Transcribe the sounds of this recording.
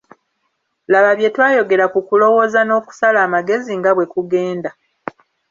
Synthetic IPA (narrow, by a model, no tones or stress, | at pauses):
laβaβje̞twaːjo̞ɡe̞ɾakukulo̞wo̞ːzano̞ːku̥salaːmaɡe̞ziŋɡaβwe̞kuɡe̞ːnda